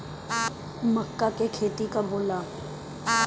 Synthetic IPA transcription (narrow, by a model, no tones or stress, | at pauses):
məkːakekʰeːt̪ikabʱoːlaː